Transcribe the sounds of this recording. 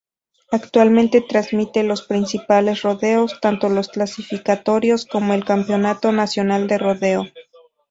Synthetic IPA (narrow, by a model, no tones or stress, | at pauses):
akt̪walmẽnt̪e̞t̪ɾazmit̪e̞lo̞spɾinsipale̞sro̞ðeost̪ant̪o̞lo̞sklasifikat̪o̞ɾjo̞sko̞moelkampjo̞nat̪o̞nasjo̞nald̪e̞ro̞ðe̞o